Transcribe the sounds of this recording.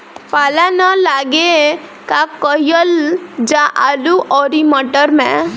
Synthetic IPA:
palanəlaɡe | kakəjəld͡ʒaʔaluʔɔɾiməʈəɾmɛ̰̃

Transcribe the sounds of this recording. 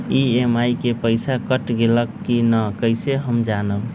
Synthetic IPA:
iemaikepəɪsakəʈɡeləkːinəkəɪseɦəmd͡ʒanəb

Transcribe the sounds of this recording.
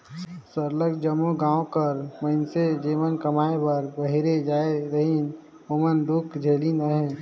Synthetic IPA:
səɾləɡd͡ʒəmuɡãːõkəɾməɪnsed͡ʒeːmənkəmaːebəɾbəɦiɾed͡ʒaːeɾəɦin | ʊmənd̪ukd͡ʒʱeːlinaɦɛ̃

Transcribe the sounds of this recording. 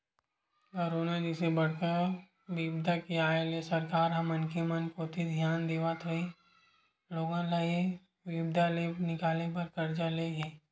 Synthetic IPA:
kɔɾoːnad͡ʒɪsebɐɽ̤kəɾ | ʋibd̪ʱakiaːɦelesɐɾkaːɾɦɐmənkimɐnkot̪ʰid̪ʱjaːnd̪eːʋat̪ɦoi | loːɡãlɐe | ʋibd̪ʱalenɪkaːlep̬ɐɾkɐɾd͡ʒaleɦɛː

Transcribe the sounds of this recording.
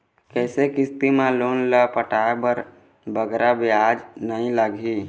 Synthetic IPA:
kɛːsekɪst̪imãloːnləpəʈabəɾ | bəɡɾabiad͡ʒnəĩləɡʱi

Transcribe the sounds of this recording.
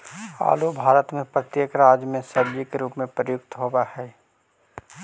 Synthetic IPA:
a̰ːlubʱaːɾət̪mẽpɾət̪jeːkɾaːd͡ʒjmẽsəɾd͡ʒikeɾuːpmẽpɾəjʊk̚t̪ɦobahɛː

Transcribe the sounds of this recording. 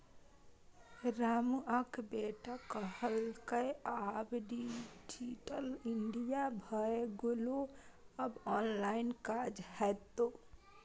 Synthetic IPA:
ɾamuəkbeʈakəɦəlkəjabɖid͡ʒiʈəliɳɖijabʱəeɡoloəbɔnlainkad͡ʒhɛt̪o

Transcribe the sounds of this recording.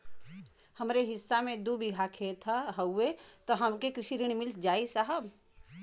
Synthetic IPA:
həmɾeɦɪsːamẽd̪ubʱiɡʱakʰet̪ʰaɦəwːet̪ɔɦɐmkekɾɪʃiɾiɽ̃mɪld͡ʒaːisaɦəb

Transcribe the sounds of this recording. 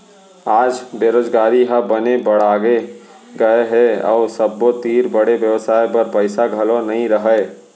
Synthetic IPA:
aːd͡ʒbjeɾoːd͡ʒɡaːɾiɦɐbɐnebɐɽ̤aːɡe | ɡɐeɦɛɔ̰ːsəbːot̪iːɾbəɽeʋjəʋsaːjpɐɾpəɪsaɡʱɐlonɐɦĩɾəɦə

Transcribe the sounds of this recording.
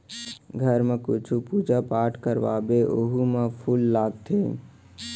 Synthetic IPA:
ɡʱəɾmekut͡ʃʰupud͡ʒapaʈʰkəɾʋa̰beʔoɦumepʰulːaɡt̪ʰḛ

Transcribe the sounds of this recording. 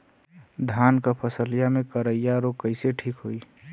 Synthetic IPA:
d̪ʱaːnkapʰəsəlijamẽkəɾəjaɾokəɪseʈʰiːkɦoi

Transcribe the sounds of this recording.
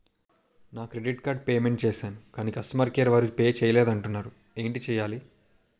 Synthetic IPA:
naːkɾeɖiʈkaːɾɖ̚peːme̞ɳʈt͡ʃɛːsaːnukaːnikɐsʈɐmaːɾkeːɾɐʋaːɾupeːt͡ʃɛːjɐleːd̪ɐɳʈunːaːɾu | eːɳʈit͡ʃɛːjaːli

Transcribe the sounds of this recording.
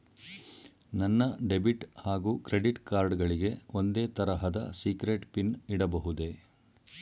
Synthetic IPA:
nɐnːɐɖe̞biʈhaːɡuːkɾe̞ɖiʈkaːɾɖɡɐɭiɡe̞o̞nd̪e̞ːt̪ɐɾɐɦɐd̪ɐ̰siːkɾeʈpiniɽɐbɐɦud̪e̞

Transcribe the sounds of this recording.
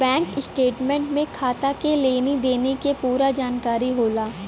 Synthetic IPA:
bɛ̃ːŋkɪsʈeːʈmẽːɳʈmẽkʰaːt̪akeleːnid̪eːnekepuːɾad͡ʒaːnkaːɾiɦoːlaː

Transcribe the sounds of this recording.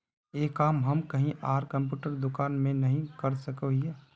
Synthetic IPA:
eːkaːmɦɐmkɐɦĩʔaːɾkɐ̃mp̬juːʈəɾd̪ʊkaːnmẽnɐɦĩkɐɾsɐkoɦeː

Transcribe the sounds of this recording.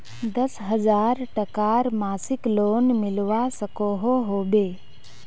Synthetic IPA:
d̪əsɦəd͡ʒaːɾʈəkaɾmaːsɪkloːnmɪlʋasəkoːɦoɦoːbeː

